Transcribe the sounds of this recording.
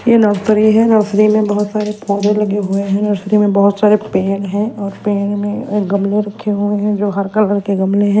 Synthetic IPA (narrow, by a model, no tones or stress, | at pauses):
jenɐɾt̪ɾiɦɛnɐɾsɾimẽbɐɦʊt̪saːɾepɔːd͡ʒẽlɐɡeɦʊeɦɛ̃nɐɾsɾimẽbɐɦʊt̪saːɾepeːnɦɛ̃ɔːɾpeːnmẽɡɐmleɾɐkʰːeɦʊeɦɛ̃d͡ʒoːɦɐɾkɐlkɐɾkeɡɐmleɦɛ̃ː